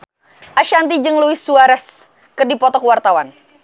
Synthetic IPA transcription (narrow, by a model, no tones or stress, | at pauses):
ʔaʃant̪id͡ʒɨŋluɪsːuaɾɛs | kɨrdipɔt̪ɔkəwart̪awan